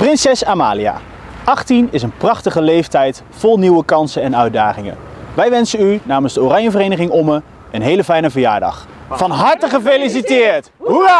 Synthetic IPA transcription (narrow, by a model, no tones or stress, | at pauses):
prɪnsɛsaːma̰ːlia̰ː | ʔɑχtinɪsənprɑχtəχəlejftɛjt | fɔlˠniwəkɑnsənɛnœɥdaːχɪŋə̰ʋɛjʋɛnsənynaːmənzdəorɑɲəvərejnəχɪŋɔmə | ənɦejləfɛjnəvərja̰ːɹdɑ̰χ | fɑnɦɑɹtəχəfelis̬itɪːɹt | ɦu